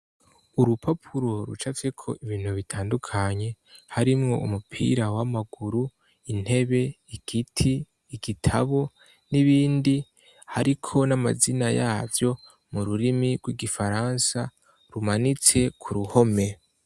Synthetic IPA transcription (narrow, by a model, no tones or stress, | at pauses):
uɾupʰapʰuɾo̞ɾṵt͡ʃat͡sekʰo̞̰ʔiβiːn̥huβitʰaːndukʰaɲe̞haɾimŋo̞̰ṵmupʰḭːɾawamaɡuɾu | in̥he̞βe̞ | iɡ̥itʰiː | ɡitʰaβo̞ | niβiːndi | haɾikʰo̞nama̰zinajaːvjo̞ | muɾuɾimiɡwiɡifaɾansa | ɾumanit͡se̞kʰuɾuho̞me̞